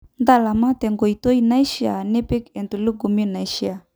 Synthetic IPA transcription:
nda˦˨la˨ma˦tɛ˨ŋɡo˨i˨tɔ˦i˦na˦i˦ʃi˦a̰˨nɛ˦pi˦kɛ˨ntu˨lu˦ɡu˨mi˦na˨i˦ʃi˦a˨

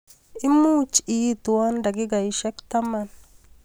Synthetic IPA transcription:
ɪ˦mu˦t͡ʃi˦t̪u˨a˦nda˨ɡɪ˦ɡa˨i˨ʃɛ˦kt̪a˦ma˨n

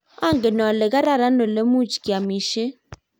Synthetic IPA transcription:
a˦˨ŋɡe˨nɔ˨lɛ˨ka˦ɾa˦˨ɾa˦no˨le˦mu˦t͡ʃki˨a˨mi˨ʃe˦

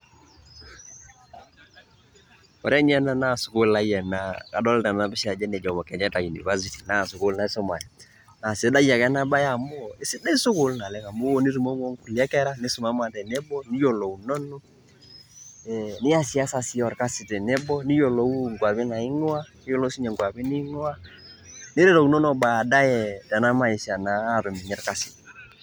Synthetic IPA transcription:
ɔ˨ɾɛ˦ɲ˦ɛ˦na˦˨na˦˨sʊ˨kʊ˦la˦jɛ˨na˨ka˨dɔ˦lta˨n˨a˨bɪ˦ʃa˨d͡ʒɛ˦nɛ˨d͡ʒɔ˨mɔ˨kɛ˨ɲɛ˦ta˨ji˨nḭ˨ka˦zi˦ti˨na˦˨sʊ˨kʊ˦lna˨i˦sʊ˦ma˨ja˨ | na˨sɪ˨˦da˦ja˨kɛ˦na˦ba˦ja˦˨mo˦ɪ˦sɪ˦da˦i˦sʊ˦kʊ˨lna˨lɛ˨˦ka˨mo˦ni˦ɾu˨mo˦ŋɔ˦ŋ˦ku˨lɛ˦kɛ˦ɾa˦nɪ˦sʊ˨ma˦ma˨tɛ˨nɛ˦bɔ˦ni˦jo˨lo˨u˨nɔ˦nɔ˦ | ɛnɪ˦ja˦si˨˦a˦sa˨si˦ɔ˨ɾka˦si˨tɛ˨nɛ˦bɔ˦ni˦jɔ˨lɔ˨˦u˦ŋɡa˨pi˦na˨i˦ŋo˦a˦ | i˦jɔ˦lɔ˦si˦ɲɛ˨ŋɡwa˨pi˦ni˦ŋo˦a˦ | nɪ˦ɾɛ˦ɾɔ˨u˨nɔ˦nɔ˨ba˨da˦jɛ˨tɛ˨na˦ma˦i˨sa˨naː˨˦˨ɾɔ˨mi˨ɲɛ˦ɾka˦si̥˨t

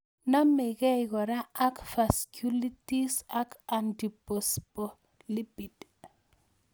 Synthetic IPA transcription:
na˦me˨ɡe˦ɪɣɔ˨ɾa˦a˦kfa˨sku˦li˦ti˦sa˦ka˨ndi˨po˨spo˨ | li˦pi˨t

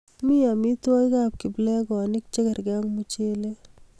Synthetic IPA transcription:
mi˦ja˨mi˦to˦jka˦˨p̚kɪ˨blɛ˦kɔ˨nɪ˦k̚t͡ʃe˦kɛ˨ɾɡɛ˦ŋmu˦t͡ʃe˦le˦

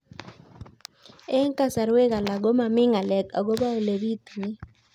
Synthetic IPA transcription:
ɛ˦ŋka˦sa˨ɾwe˦ka˨la˨ɡo˦ma˨mɪ˦ŋa˨lɛ˨ka̰˨ɡo˦ba˦o˨le˨ɾi˦t̪nɪ˦

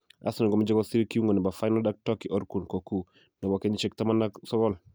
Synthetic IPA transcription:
a̰˦sɔnɛ˨ɡɔ˨md͡ʒɔ˦ɡɔsi˦ɾikiu˦ŋɡɔ˨nɛ˨ba˨fajnɔda˦k̚tɔkiʔɔ˦ɾku˨nko˨ku | nɛ˨bɔkɛ˦ɲit͡ʃɛk̚tamanaksɔ˦ɡɔl

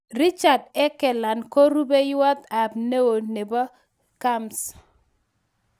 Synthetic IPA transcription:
ri˦t͡ʃa˨dɛ˦kɛ˨la˨nko˦ɾu˦be˦jʊ˦wa˦t̪a˨b̚ne˦wo˨ne˨ba˦ | ka˦ms

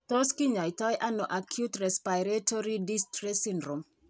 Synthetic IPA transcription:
to˦ski˦ɲɔ˨i˨tɔ˦jʔa˦no˨ʔa˨kʰjutrɛ˨spa˨ɪɾeto˦ɾi˦di˦stɾi˦sindɾo˨m

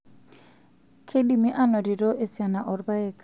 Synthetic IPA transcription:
kʰe˦ɗi˨mi˦ʔa˦nɔ˨ɾi˨ɾo˦ʔe˦˨sja˨na˨ʔɔ˨ɾba˦ɛ˨k

